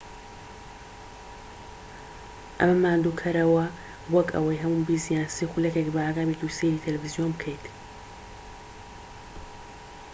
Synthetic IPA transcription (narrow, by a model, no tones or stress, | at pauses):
ʔɐ̰mɐmaːnd̪ukʰɐɾɐwɐ | wɐkɐ̰wɐjɦɐmumbiːzijaːnsixuljɛkʲekbɐaːɡaːbit̪useɾiːt̪ʰɐlɛvizijonbɨkʰɛjt̪